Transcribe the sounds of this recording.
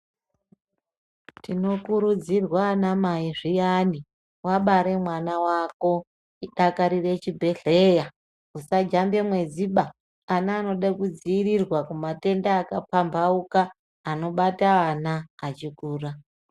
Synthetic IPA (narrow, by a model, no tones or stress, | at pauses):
tino̞kuɾud͡zirwanamaiʐijani | waɓaɾe̞mwanawako̞ | iɗakaɾire̞t͡ʃibʱe̞ɬe̞ja | usad͡ʒambe̞mwe̞ziɓa | anaːno̞ɗakud͡ziːrirwakumate̞ndaːkapambaukaː | no̞ɓataːnaːt͡ʃikuːra